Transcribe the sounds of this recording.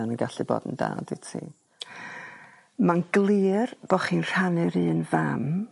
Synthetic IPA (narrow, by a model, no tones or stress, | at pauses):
anənɡaɬɨbo̰ːdənda̰ːditʰḭː | manɡlˠiːrb̥ɔχiːnr̥anɨɾɨːnvam